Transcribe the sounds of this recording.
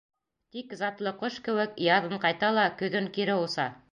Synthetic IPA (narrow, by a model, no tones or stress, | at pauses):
t̪ikzɑt̪lˠɤqoʃkɘ̆wɘkjɑðɤɴqɑjt̪ɑlˠɑkɵ̆ðɵŋkiɾɘusɑ